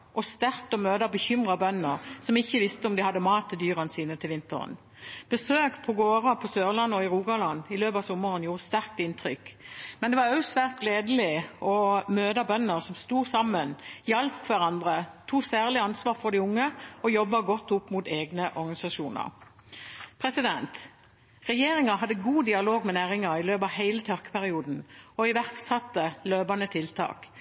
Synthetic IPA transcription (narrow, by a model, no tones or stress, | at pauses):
ʔɔst̪æʁk̚t̪ɔmøːd̪ɑbəçʏmʁɑbœnːəʁsɔmɪçːəʋɪst̪əɔmd̪ɪhɑd̪ːəmɑːt̪ʰːɪld̪yːʁənsiːnət̪ʰɪlʋɪnt̪ə̰ʁə̰n | b̥əsøːkpʰɔɡoːʁɑpʰɔsøːʁlɑnːɔɪʁuːɡɑlɑnɪløːpɑʋsɔmːəʁənjuːʁəst̪æʁk̚t̪ɪnt̪ʁʏkmɛnd̪ɛʋɑʁœʉsʋæʁt̪̚ɡleːd̪əl̩ɪʔɔmøːd̪ɑbœnːəʁsɔmst̪uːsɑmːənjɑlpʰʋæʁɑnd̪ʁət̪ʰuːsæːʁlɪɑnsʋɑːʁfɔʁd̪ɪʊŋːəɔjɔbːɑɡɔt̪ːʊpːmʊt̪eːɡnəʔɔɾɡɑnɪsɑʃuːnə̰ʁ | pʰʁɛsɪd̪ɛnt̪ | ʁɛjeːʁɪŋɑɦɑd̪ːəɡuːd̪ɪɑloːɡmɛnæːʁɪŋɑɪløːpɑʋhæɪlət̪ʰœʁkə̥pæʁɪuːd̪n̩ɔɪʋæʁksɑt̪ːəløːbɑnət̪ʰɪlt̪ʰɑ̰ːk